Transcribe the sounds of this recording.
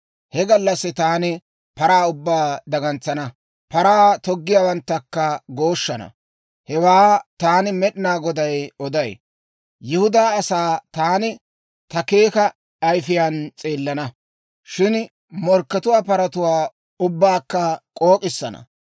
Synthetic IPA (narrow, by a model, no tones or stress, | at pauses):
hɛɡɐlːɐsːɪt̪aːnɪ | pɐɾaːʊbːaːd̪ɐɡɐnt͡sːɐnɐ | pɐɾaːt̪ɔɡːɪjaːwɐnt̪ːɐkːɐɡoːʃːɐnɐ̰ | hɛwaːt̪aːnɪmɛɗɪnaːɡɔd̪ɐjɔd̪ɐj | jɪhʊd̪aːsaːt̪aːnɪ | t̪ɐke̞ːkɐː | jfɪjaːnt͡sʼeːlːɐnɐ | ʃɪn | mɔɾkːɐt̪ʊwaːpɐɾɐt̪ʊwaː | ʊbːaːkːɐkʼoːkʼɪsːɐ̰nɐ̰